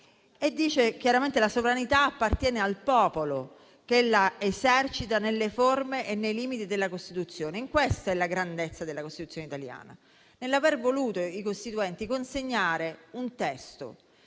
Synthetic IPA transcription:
ed̪ːiːt͡ʃek̟jaɾament̪elasovɾanit̪aːpːart̪jɛːnealpɔːpolo | kelːaezɛrt͡ʃit̪anelːeformeʔenːejliːmit̪id̪elːakost̪it̪ut̪sːjoːneiŋkwest̪aɛlːaɡɾand̪et̪sːad̪elːakost̪it̪ut̪sjoneit̪alja̰ːna̰ | nelːavervoluːt̪oikost̪it̪uɛnt̪ikonseɲːaːɾeunt̪ɛst̪o̰

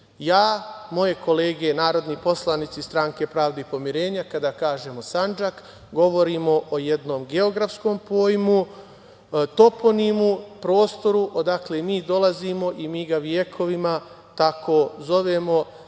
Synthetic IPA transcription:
jaːmo̞je̞ko̞le̞ːɡe̞naːɾo̞d̪nipo̞slˠanit̪sist̪ɾaːŋke̞pɾaːʋd̪eipo̞miɾe̞ːɲakad̪aːkaːʒe̞ːmo̞sand͡ʒak | ɡo̞ʋo̞ɾimo̞ʔoje̞d̪no̞ːmɡe̞oɡɾafsko̞ːmpoːjmu | t̪o̞po̞nimupɾo̞ːst̪o̞ɾuʔod̪akle̞miːd̪o̞lˠazimo̞ʔimiːɡaʋje̞kʰo̞ʋima | t̪akʰo̞ːzo̞ʋe̞mo̞

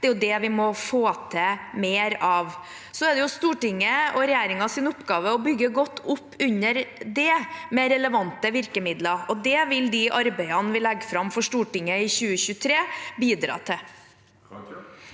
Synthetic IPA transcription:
ɛːjʊd̪ɛʋɪmɔfoːt̪ʰɛmeːɾɑːʋ | sɔɛd̪ɛjʊst̪uːʈɪŋːəɔɾɛjæːɾɪŋɑsɪnʊpːɡɑːʋəɔbʏɡːəɡɔt̪ːʊpːʉɲːəɾd̪ɛmɛɾɛləʋɑnt̪əʋɪɾkəmɪd̪lɑɾɔd̪ɛʋɪld̪ɪʔɑɾbæɪɑnʋɪlɛɡːfɾɑmfɔʂʈuːʈɪŋːəɪçʉːəɕʉːt̪ʰɾeːbiːd̪ɾɑ̰ːt̪ʰɪ

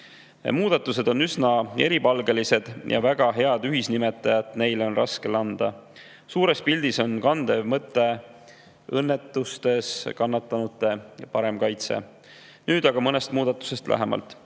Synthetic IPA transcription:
muːd̪̥ɑt̪ːˑuse̞d̪o̞nːysnɑe̞ɾipɑlɡe̞lise̞d̪̥jʔɑ̰væɡ̥ɑɦe̞ɑd̪̥yɦisnime̞t̪ːˑɑjɑt̪ne̞jlo̞nrɑske̞lɑnd̪̥ɑ | suːɾe̞spild̪̥iso̞nkɑnd̪emɤt̪ːˑe̞ | ɤnːe̞t̪ːˑust̪e̞skɑnːɑt̪ˑːɑnut̪ːˑe̞pɑɾe̞mkɑjt̪sḛ | nyːd̪̥ɑɡ̥ɑmɤne̞st̪muːd̪̥ɑt̪ːˑu̥se̞st̪læ̰ɦe̞mʔɑ̰lt̪ˑ

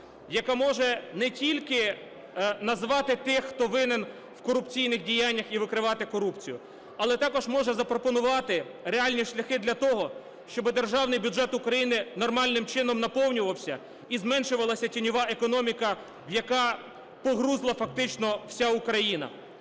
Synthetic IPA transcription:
jɐkamɔʒɛnɛtʲilʲkɪ | nɐzʋɑt̪ɪt̪ɪxxt̪ɔʋɪnɪn | wkɔɾʊpt͡sʲijnɪxdʲijanʲːɐxiʋɪkɾɪʋɑt̪ɪkɔɾupt͡sʲijʊ | ɐlˠɛt̪ɑkɔʒmɔʒɛzɐpɾɔpɔnʊʋɑt̪ɪ | ɾeɑlʲnʲiʃlʲɐxɪd̪lʲɐt̪ɔɦɔ | ʃt͡ʃɔbɪd̪e̞rʒɑwnɪjbʲudʒɛt̪ukɾɐjinɪnɔrmɑlʲnɪmt͡ʃɪnɔmnɐpɔwnʲʊʋɐwsʲɐ | izmɛnʃʊʋɐlˠɐsʲɐtʲinʲɔʋɑʔekɔnɔmʲikɐ | wjɐkɑ | pɔɦɾuzlˠɐfɐk̚t̪ɪt͡ʃnɔw̥sʲaukɾɐjinɐ̰

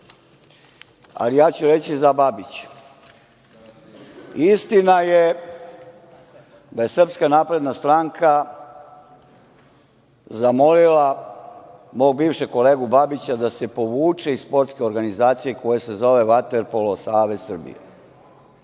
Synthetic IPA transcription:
a̰lijaːt͡ɕuɾe̞t͡ɕizababit͡ɕe̥ | ist̪inaje | d̪aje̞sr̩pskanaːpɾe̞d̪nast̪ɾaŋkʰa | zamo̞lila | mo̞ːɡ̚biːvʃeko̞leːɡubabit͡ɕad̪ase̞po̞ʋuːt͡ʂe̞isspo̞ɾt̪ske̞o̞ɾɡanizaːt̪sijeko̞jese̞zo̞ʋe̞ʋat̪eɾpolosaːʋe̞zsr̩bḭjḛ

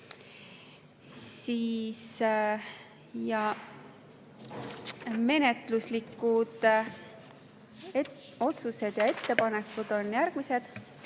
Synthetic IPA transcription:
siːs | jɑ | me̞ne̞t̪ˑluslikːˑud̪̥ | o̞t̪suse̞d̪̥jɑe̞t̪ːe̞pɑne̞kːud̪̥o̞njæɾɡ̥mise̞d̪̥

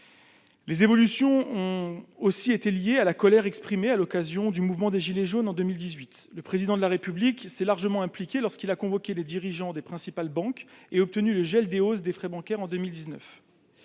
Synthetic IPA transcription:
lezevɔlysjɔ̃ɔ̃osiet̪eljealakɔlɛʁɛkspχimealɔkazjɔ̃d̪ymuvmɑ̃d̪eʒileʒonɑ̃d̪ømild̪izɥit̪ | ləpχezid̪ɑ̃d̪əlaʁepybliksɛlaʁʒəmɑ̃ɛ̃plikʲelɔʁskilakɔ̃vɔkʲeled̪iʁiʒɑ̃d̪epχɛ̃sipalbɑ̃keɔp̚t̪ənyləʒɛld̪eos̬d̪efχɛbɑ̃kʲɛʁɑ̃d̪ømild̪iznœ̰f

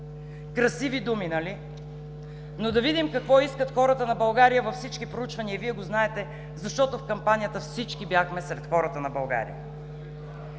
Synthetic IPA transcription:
kɾɐsivid̪uminɐli | nod̪ɐvid̪imkɐkvɔiskət̪xɔɾət̪ənɐbɐlˠɡaɾijəvɐfsit͡ʃkipɾout͡ʃvɐniəviɛɡoznaɛt̪ɛ | zɐʃt̪ɔt̪ofkɐmpanijət̪əfsit͡ʃkibjaxmɛsɾɛt̪xɔɾət̪ənɐbɐlˠɡa̰ɾḭə̰

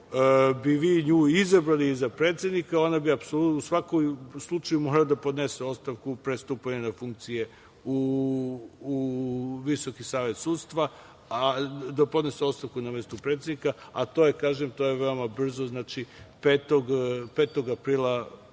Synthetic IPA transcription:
biʋiɲuːizabɾaliizapɾet̪sʲed̪nikao̞nabiapsoluusʋakomslˠut͡ʃajumo̞ɡlad̪apo̞d̪neseo̞t̪st̪aʋkupɾest̪uːpaɲunafuŋk̚t̪sije̞ | uː | ʋiso̞kisaːʋe̞t̪sud̪st̪ʋa | ad̪apod̪ne̞seo̞t̪st̪aʋkunamest̪upɾet̪sed̪nikaat̪o̞ːjekaːʒemt̪o̞jeʋe̞o̞mabr̩zoznaːt͡ʃipet̪oɡpeːt̪o̞ɡapɾiːlˠa

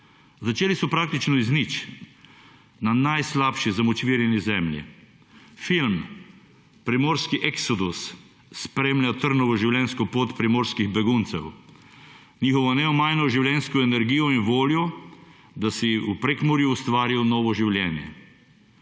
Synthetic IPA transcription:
zat͡ʃeːlisɔpɾaːk̚t̪it͡ʃnɔiznit͡ʃ | nanajslaːpʃizamɔt͡ʃʋiːɾjɛnizɛmlʲjḭ | film | pɾɛmoːɾskiʔɛksɔd̪usː | pɾeːmljat̪əɾnɔʋɔʒiwlʲɛnskɔpoːt̪pɾɛmoːɾskiɣbɛɡunt̪sɛ̰w | niːxɔʋɔnɛɔmajnɔʒiwlʲjɛnskɔɛnɛɾɡiːjɔinʋoːljɔ | d̪asiupɾɛkmɔɾjuːst̪ʋaːɾiwnɔːʋɔʒiwlʲjɛːnjɛ̰

